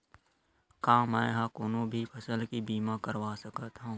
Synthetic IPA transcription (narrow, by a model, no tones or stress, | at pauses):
kãːmɛ̃ːɦãkʊnõbʱipʰɐsəlkibiːmakəɾʋaːsəkət̪ɦõ